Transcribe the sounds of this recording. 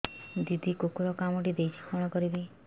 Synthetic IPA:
d̪id̪ʱikokoɾɔkamɔʈid̪ejt͡ʃʰi̥kʰɔɽ̃ɔkɔɾib̪i

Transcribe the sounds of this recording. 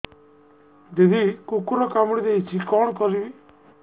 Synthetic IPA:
d̪ed̪ikukuɾɔkamɽid̪eit͡ʃʰikɔːɳ̃kɔɾibi

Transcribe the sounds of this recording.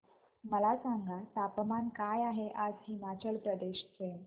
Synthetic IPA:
məlasaŋɡat̪apəmankajaɦeʔad͡zɦimat͡ɕəlpɾəd̪eɕten

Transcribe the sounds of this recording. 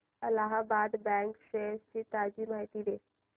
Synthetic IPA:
əlaɦabad̪bɛ̃ŋkɕest͡ɕiːt̪ad͡ʑiːmaɦit̪iːd̪e

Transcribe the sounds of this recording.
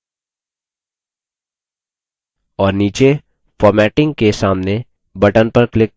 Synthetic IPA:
ɔːɾniːt͡ʃe | fɔːɾmɛːʈɪ̃ŋɡ̚kesaːmne | bɐʈənpɐɾklɪk

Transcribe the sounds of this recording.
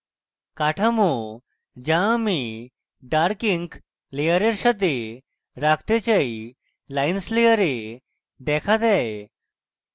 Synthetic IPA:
kaʈʰamu | d͡ʑãmi | ɖaɾkiŋk | lejəɾeɾɕəd̪e | ɾakʰt̪et͡ɕai | lainslejəɾe | d̪ɛkʰat̪aj

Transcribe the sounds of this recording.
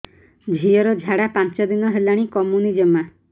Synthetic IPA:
d͡ʒʱiɔɾɔd͡ʒʱaɽapant͡ʃɔd̪inɔɦelaɽ̃ikɔmjunid͡ʒɔma

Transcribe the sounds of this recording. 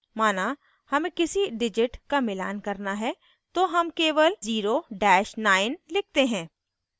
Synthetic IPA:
maːna | hɐmẽkɪsiɖɪd͡ʒɪʈkamɪla̰ːnkɐɾnaɦɛ | t̪oɦɐmkeːʋəlziːɾoɖɛːʃnaːɪnlɪk̚ʰt̪eɦɛ̃ː

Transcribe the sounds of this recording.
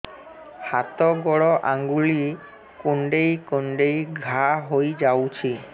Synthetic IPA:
hat̪ɔɡɔɽɔʔaŋɡuɭi | koɳɖejkoɳɖejɡʱaɦojd͡ʒawt͡ʃʰi

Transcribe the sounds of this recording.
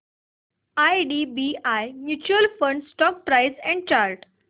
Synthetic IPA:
ajɖibiajmjuːt͡ɕuəlfə̃ɳɖsʈɔk̚pɾaɪsɛ̃ɳɖ̚t͡ɕaɾʈ

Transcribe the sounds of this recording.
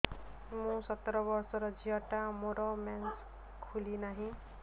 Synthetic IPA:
mũsʌt̪ːɾʌbʌɾsʌɾʌd͡zijʌʈamoɾʌmans | kʰulinaɦĩ

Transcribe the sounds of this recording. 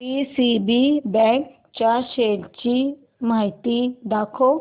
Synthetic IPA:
pisibibɛ̃k | t͡ɕaɕelt͡ɕi | maɦit̪id̪akʰo

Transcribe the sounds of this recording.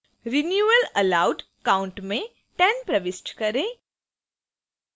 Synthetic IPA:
ɾɪnjuːəlɐlaːʊɖ | kaːʊ̃ɳʈmẽ | ʈɛnpɾɐʋɪsʈkɐɾẽː

